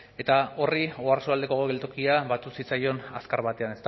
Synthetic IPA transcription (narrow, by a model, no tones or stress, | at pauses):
e̞t̪ao̞rioaɾsoald̪e̞ko̞ɣe̞lt̪okiaβat̪usit͡sajo̞na̰skaɾβat̪e̞ane̞st̪